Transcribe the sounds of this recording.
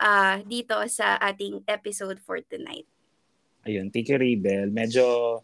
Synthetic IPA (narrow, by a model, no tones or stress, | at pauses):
ʔad̪iːt̪o̞sɐʔaːt̪ɪŋʔɛpɪsowd̪̚fɔ̰ɹt̪ʊna̰jt̪̚ | ʔɐjont̪ikɛɾiːbɛlmɛd͡ʒo